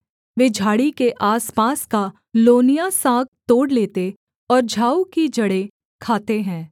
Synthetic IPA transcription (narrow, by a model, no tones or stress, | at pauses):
ʋeːd͡ʒʱaːɽikeʔaːspaːska | loːnijasãːk̚t̪oːɽleːt̪e | ɔːɾd͡ʒʱaːukid͡ʒɐɽe | kʰaːt̪eɦɛ̃ː